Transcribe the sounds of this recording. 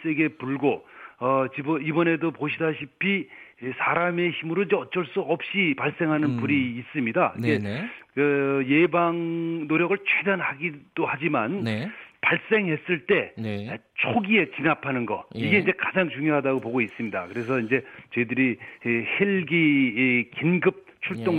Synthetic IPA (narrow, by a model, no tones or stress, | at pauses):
s͈eɡe̞puɭɡoʌt͡ɕibʌibʌne̞dopoɕʰidaɕʰipʰisʰaɾame̞çimɯɾoiɲd͡ʑeʌt͡ɕ͈ʌɭs͈uʌp̚ɕ͈ipaɭs͈e̞ŋɦanɯnpuɾiːs͈ɯmɲidaiɡe̞ɯje̞baŋnoɾjʌɡɯɭt͡ɕʰwedanhaɡid̥ohad͡ʑimanpaɭs͈e̞ŋɦe̞s͈ɯɭt͈e̞nt͡ɕʰoɡie̞t͡ɕinapʰanɯnɡʌ̰iɡe̞ind͡ʑe̞kad͡ʑaŋt͡ɕuŋjoɦadaɡopoɡois͈ɯmɲida̰kɯɾe̞sʰʌind͡ʑe̞t͡ɕʌidɯɾiheɭɡikinɡɯp̚t͡ɕʰuɭt͈oŋ